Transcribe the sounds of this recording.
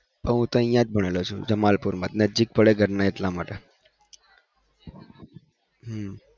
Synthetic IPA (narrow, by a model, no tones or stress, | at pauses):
pəɦũt̪oə̃jãd͡ʒbʱəɽ̃elot͡ʃʰũd͡ʒəmalpuɾmat̪nəd͡ʒik̚pəɭeɡʱəɾnaeʈlamaʈe | ɦm